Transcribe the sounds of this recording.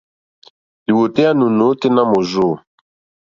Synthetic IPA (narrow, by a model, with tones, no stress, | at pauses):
li˨wo˨te˦a˦nu˨no˨˦te˦na˦mo˨zo˦˨